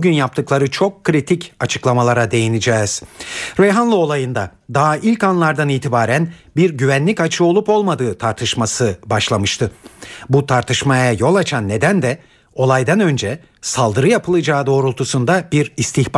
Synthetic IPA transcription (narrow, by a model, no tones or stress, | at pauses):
uɟynjap̚t̪ʰɯklˠaɾɯt͡ʃʰo̞kʰːɾit̪ʰicʰat͡ʃʰɯklˠamalˠaɾad̪e̞jinid͡ʒɛːz̥ɾejɦanlˠɯo̞lˠajɯnd̪a | d̪aɦaʔilʲkanlˠaɾd̪aniːt̪ʰibaːɾænbiɾɟyvænlʲicat͡ʃʰɯo̞lˠupo̞lˠmad̪ɯːt̪ʰaɾt̪ʰɯʃmasɯbaʃlˠamɯʃt̪ʰɯbut̪ʰaɾt̪ʰɯʃmajajo̞lˠat͡ʃʰanːe̞d̪ænd̪ɛ | o̞lˠajd̪anø̞nd͡ʒɛ | salˠd̪ɯɾɯjapʰɯlˠɯd͡ʒaːd̪o̞ːɾulˠt̪ʰusund̪abiɾist̪ʰiçb